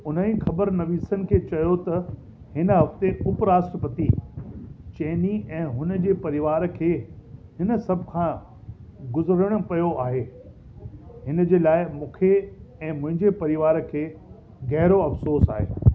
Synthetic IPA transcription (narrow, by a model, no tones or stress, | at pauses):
ʊn̤ənĩxɐbəɾnɐʋiːsənɪ̆kʰeːt͡ɕɐjot̪ɐ | hɪnəɦɐft̪eʊpɾaːsʈɾəpət̪i | t͡ɕɐ̃ːniɛ̃ːɦʊnə̆d͡ʑeːpɐɾɪʋaːɾkʰeːhɪnə̆sɐbʱkʰãː | ɡʊzɾəɽ̃̆pɐjoʔaːɦeː | ɦɪnə̆d͡ʑeːlaːɪmũːkʰeɛ̃ːmʊ̃ɦɪ̃ɲd͡ʑepɐɾɪʋaːɾkʰeː | ɣɛɦɾoɐfsoːsa̰ːɦḛː